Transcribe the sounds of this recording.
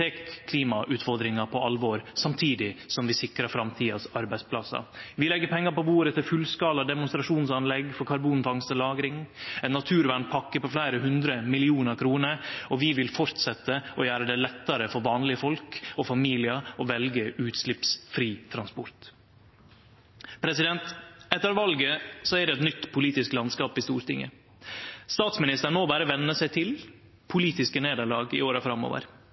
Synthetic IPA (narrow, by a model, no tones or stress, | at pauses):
eːkʰːliːmɑʔʉːt̪fɔɾd̪ɾɪŋɑpʰɔɑlʋɔɾsɑmt̪ʰiːd̪ɪsɔmʋɪsɪkɾɑɾfɾɑmt̪ʰiːɑsɑɾbæɪd̪spʰlɑsɑ̰ʋɪlɛɡːəɾpʰɛŋːɑɾpɔbuːɾət̪ʰɪlfʉlskɑːlɑd̪ɛmʊnst̪ɾɑʂuːnsɑnlɛɡfɔɾkʰɑɾbuːnfɑŋst̪əlɑːɡɾɪŋɛnːɑt̪ʰʉːɾʋæɳpʰɑkːəɾpɔflæɪɾəɦʉnd̪ɾəmɪlɪuːnəɾkʰɾuːnəɾɔʋɪʋɪlfɔɾt̪sɛt̪ːəʔɔjæːɾəd̪ɛlɛt̪ːɑɾəfɔɾʋɑːnlɪəfɔlkɔfɑmiːlɪɑɔʋɛlɡəʉːt̪slɪpsfɾiːt̪ʰɾɑnspɔɾt̪ | pʰɾɛsɪd̪ɛnt̪ɛt̪ːəɾʋɑlɡəsɔæɖɛɛt̪nʏt̪ːpʰʊliːt̪ɪsklɑnskɑːpɪst̪uːɾt̪ɪŋːə̰ | st̪ɑːt̪smɪnɪst̪əɳoːbæɾəʋɛnːəsæɪt̪ʰɪl | pʰʊliːt̪ɪskəneːd̪əɭɑːɡɪ̰oːɾəfɾɑmo̰ːʋə̰ɾ